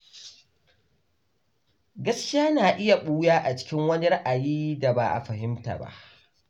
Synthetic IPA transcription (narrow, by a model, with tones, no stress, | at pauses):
ɡɐ˦skʲɪ˦aː˦naː˨ʔɪ˦ja˨ɓuː˦jaː˦ʔa˨t͡ʃɪ̥˦kʲɪ˦ŋwɐ˦ni˦ɾa˦ʔa˨jiː˦da˨ba˨ʔa̰˨ɸɐ˨hɪ˦mta̰˨ba̰˦ʔ